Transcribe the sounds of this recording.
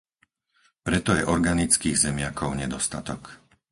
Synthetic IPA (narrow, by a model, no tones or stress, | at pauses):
pɾɛt̪ɔjɛʔɔɾɡanit͡skiːɣzɛmɪakʰɔʊɲɛd̪ɔst̪at̪ɔk